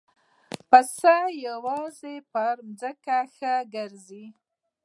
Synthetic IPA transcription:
pəsajawɑzepaɾmzəkaxəɡəɾzi

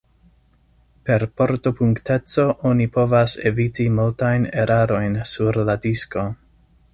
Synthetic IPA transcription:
pe̞ɾpo̞ɾto̞puŋkte̞t͡so̞ʔonipo̞vasḛvitimultajneɾaɾo̞jnsuɾladisko̞

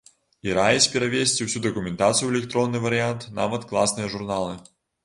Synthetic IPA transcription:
iɾajɛsʲpʲɛɾavʲesʲt͡sʲiwsʲud̪ɐkʊmʲɛnt̪at̪sɨjuɛlʲɛk̚t̪ɾɔnːɨvɐɾɨjant̪na̰vɐt̪klˠasnɨjɐʐurnalˠɨ

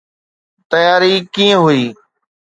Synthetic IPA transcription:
t̪əjaːɾiːkĩːə̃ɦʊiː

